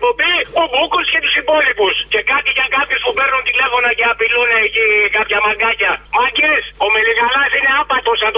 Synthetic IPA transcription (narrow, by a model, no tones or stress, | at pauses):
po̞mbiobukusce̞t̪usipo̞lipusce̞kɐt̪iʝɐkɐpçuspupe̞ɾnunt̪ile̞fo̞nɐce̞apiluneːcikɐpçɐmɐŋɡɐcɐmɐɟisomeliɣɐlɐsine̞ɐpɐt̪osɐnt̪